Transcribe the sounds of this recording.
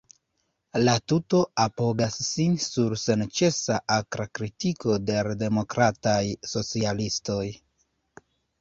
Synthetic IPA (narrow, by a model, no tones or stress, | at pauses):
latuto̞apo̞ɡasːinsuɾse̞nt͡ʃe̞saʔakɾakɾitiko̞de̞ɾde̞mo̞kɾatajso̞t͡sialisto̞j